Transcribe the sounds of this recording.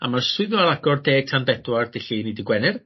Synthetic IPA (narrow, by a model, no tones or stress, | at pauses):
a̰marswɪðɔalˠaɡɔrdeːtʰanbɛdward̥ɪɬinidɪɡwɛnɪr